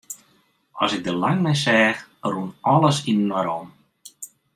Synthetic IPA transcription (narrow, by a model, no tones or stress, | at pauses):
ɔsɪk̚dəlaŋmɛjsɛːxrunɔlˠəsinnɔɾɔm